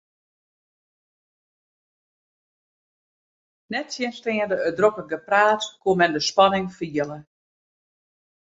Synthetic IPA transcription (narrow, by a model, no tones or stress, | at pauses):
nɛtsjɪənstɪəndəədrokəɡəpraːtkumɛndəspɑnɪŋfiələ